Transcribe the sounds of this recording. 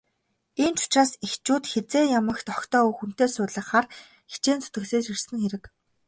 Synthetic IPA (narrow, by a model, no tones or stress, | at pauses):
iːnt͡ɕʊ̥t͡ɕraːsixt͡ɕuːt̪xet͡seːjamə̆kt̪ɔkt̪ɔːuxun̥t̪eːsʊːt̪ɮə̆χχaːr | xi̥t͡ɕeːnt͡sʰʊ̥t̪ɡɘ̆kseːsirsɘ̆ŋxeɾɘ̆k